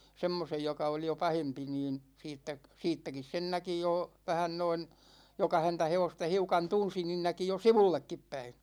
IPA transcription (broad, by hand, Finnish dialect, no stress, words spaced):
semːosej jokɑ oli jo pɑhempi niːn siːtːæk̆ siːtːækis sen næki joˑ ʋæhæn noin jokɑ hæntæ heʋostɑ hiukɑn tunsi niːn næki jo siʋulːekːip pæi